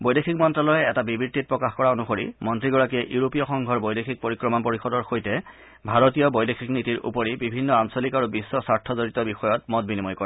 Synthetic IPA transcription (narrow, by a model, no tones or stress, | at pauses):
bojdexikmɔntɹalɔjɛɛtabibiɹtit̚pɹɔkaxkɔɹaonuxoɹḭmɔntɹiɡɔɹak̬iɛʔjuɹopijɔxɔŋɡʱɔɹbojdexʰik̚poɹikɹɔmɔnpoɹixɔdɔɹxojtɛ | bʱaɹotijɔbojdexʰiknitiɹʔṵpɔɹibibʱinːɔansɔlikaɹubisːɔsaɹtʰːɔzoɹitɔbixɔjɔt̚mɔt̚binimɔjkɔɹɛ